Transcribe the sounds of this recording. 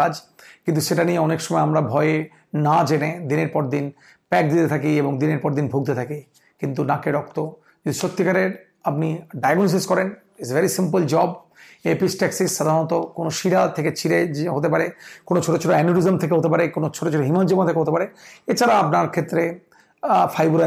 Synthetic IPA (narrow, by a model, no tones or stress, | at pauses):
ad͡ʑkint̪uʃeʈanieɔnekʃɔmɔeamɾabʱɔee | nad͡ʑened̪ineɾpɔɾd̪in | pɛk̚d̪it̪et̪ʰakieboŋd̪ineɾpɔɾd̪inbʱoɡ̚t̪et̪ʰaki | kint̪unakeɾɔk̚t̪o | d͡ʑud̪iʃot̪ːikaɾeɾ | ap̚niɖajaɡnos̬iskɔɾen | esvɛɾisimpəld͡ʑɔb | episʈɛksisʃad̪ʱaɾnɔt̪okonoʃiɽat̪ʰeket͡ɕʰiɽeɦot̪epaɾekonot͡ɕʰoʈot͡ɕʰoʈoɛnoɾizomt̪ʰek̬eɦot̪epaɾekonot͡ɕʰoʈot͡ɕʰoʈoɦimand͡ʑomat̪ʰekeɦot̪epaɾeet͡ɕʰaɾaapnaɾkʰet̪ːɾe | fʰajbuɾa